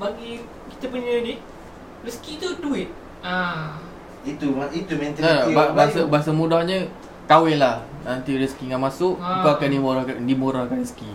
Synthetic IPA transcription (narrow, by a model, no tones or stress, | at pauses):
baɡi | ki̥t̪əpuɲə̃di | riskit̪uduɪt̪̚ | a | it̪uit̪umɛnt̪iaabasəbaas̬əmudahɲə | kawɪlahnant̪iɾiskiŋamasʊʔŋkaakandimoɾɔhkadimuɾɔhkanriski